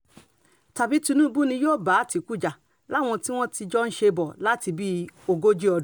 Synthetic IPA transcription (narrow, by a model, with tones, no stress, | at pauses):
ta˨bi˦tũ˧nũ˦˧bu˦nĩ˧joː˦˨ba˨˦˨ti˨˧ku˦˨d͡ʒa˨ | la˦˨w̃ɔ̃˧ti˦w̃ɔ̃˦ti˧d͡ʒɔ˦n̩˦ʃe˧bɔ˨la˦ti˧bi˦o˧ɡo˦d͡ʒi˦ɔ˧d